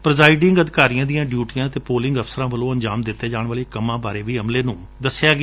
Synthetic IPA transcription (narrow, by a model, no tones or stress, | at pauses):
pɾəzaːiɖɪ̃ŋɡəd̪kaːɾijãːd̪ijãːɖjuːʈijãːt̪eːpoːlɪ̃ŋɡəpʰsəɾãːʋəlõːəɲd͡ʒaːmd̪ɪt̪ːjeːd͡ʒaːɳʋəːleːkəmãːbaːɾeːʋiːəmleːnũː | d̪əsːɪjaːɡː